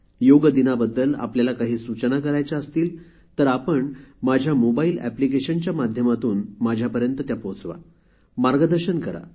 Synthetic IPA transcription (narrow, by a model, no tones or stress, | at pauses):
joɡd̪inabəd̪ːəla̰pljalakaɦiːsut͡ɕənakəɾajt͡ɕaəst̪iːl | t̪əɾapəɳmad͡ʑʱjamobailæ̰plikeɕənt͡ɕjamad̪ʱjəmat̪uːnmad͡ʑʱjapəɾjənt̪ət̪japot͡sʋa̰ | maɾɡəd̪əɾɕənkəɾa̰